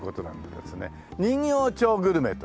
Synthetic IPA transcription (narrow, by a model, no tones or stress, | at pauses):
ko̞t̪o̞nã̰nd̪ed̪e̞̰sɨnḛ | ɲ̟ĩŋjoːt͡ɕoːɡɯɾɯ̟me̞t̪o